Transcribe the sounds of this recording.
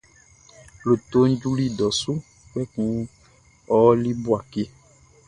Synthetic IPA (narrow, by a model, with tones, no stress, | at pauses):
lo˨t̪o˦n̩˦d͡ʒu˦li˦dɔ˨su˦ | k͡pɛ˦kũ˦ | ɔ˦li˦bu˦a˨ke˦